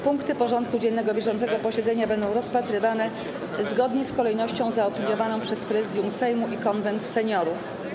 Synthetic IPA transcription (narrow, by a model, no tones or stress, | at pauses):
puŋkt̪ɘpɔʐɔnt̪̚kud͡ʑɛnːɛɡɔbʲjɛʐɔnt̪sɛɡɔpɔɕɛd̪zɛɲabɛnd̪ɔ̃w̃ɾɔspat̪ɾɘvanɛ | zɡɔd̪ɲɛskɔlɛjnɔɕt͡ɕɔ̃w̃zaɔpʲilʲjɔvanɔ̃w̃pʂɛspɾɛzɘd̪jumsɛjmuʔikɔnvɛnt̪sɛɲɔɾuf